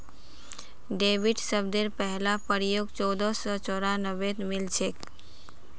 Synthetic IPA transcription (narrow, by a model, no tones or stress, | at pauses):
ɖeːʋiʈsəb̚d̪eɾpɛɦlapəɾijoɡt͡ʃɔːd̪ɔsɔt͡ʃɔːɾanəʋet̪ʰmɪlt͡ʃʰek